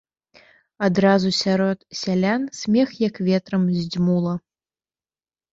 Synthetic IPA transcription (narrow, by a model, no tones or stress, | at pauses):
ad̪ɾazusʲaɾɔt̪sʲalʲansʲmʲɛxjɐkvʲɛt̪ɾɐmzʲd͡zʲmulˠɐ